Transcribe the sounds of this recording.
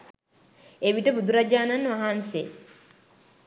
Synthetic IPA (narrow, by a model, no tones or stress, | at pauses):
eʋiʈəbud̪uɾad͡ʒaːnanʋaɦaːnse